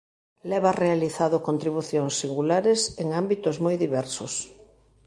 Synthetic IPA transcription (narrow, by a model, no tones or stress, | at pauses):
lɛβarealiθaðokont̪ɾiβ̞uθjoŋsːiŋɡulaɾeseŋambit̪ʊzmojðiβɛɾsʊs